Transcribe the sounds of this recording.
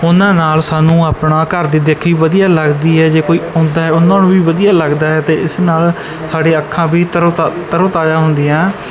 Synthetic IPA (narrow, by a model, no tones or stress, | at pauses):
ʊnãːnaːlsaːnũːaːpnaːkəɾd̪iːd̪ekʰiːʋəd̪ijaːləɡd̪iːɦɛːd͡ʒeːkoːiːʊ̃ːnd̪aːɦɛːʊnãːnũːbiːʋəd̪ijaːləɡd̪aːɦɛːt̪eːɪsnaːl | saːɖeːəkʰːãːbiːt̪əɾt̪ːt̪əɾõːt̪aːd͡ʒãːɦʊ̃nd̪iːãː